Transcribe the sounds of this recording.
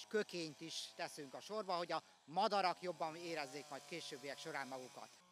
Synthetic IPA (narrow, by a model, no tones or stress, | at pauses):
ʃkø̞keːɲt̪iʃt̪ɛsyŋkɒʃo̞rbɒho̞ɟɒ | mɒd̪ɒɾɒkjo̞bːɒmeːɾɛzːeːkmɒjt̪keːʃøːbːijɛkʃo̞ɾaːmːɒɡukɒ̰t̪